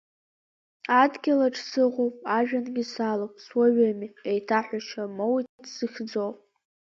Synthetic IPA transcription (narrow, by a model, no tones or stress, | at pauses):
adɡʲalaʈ͡ʂʰsɨʁopʼaʒᶣanɡʲɪsalopʼswaɥamiejtʰaħʷaʃʰamowitʰdsɨxʲd͡zowpʼ